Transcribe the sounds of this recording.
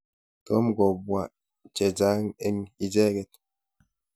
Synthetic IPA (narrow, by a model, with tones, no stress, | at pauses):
to˦mɡɔ˨bwa˨ | t͡ʃɛ˨d͡ʒa˦ŋɛ˦ŋi˦d͡ʒɛ˦ɡɛ˨t̚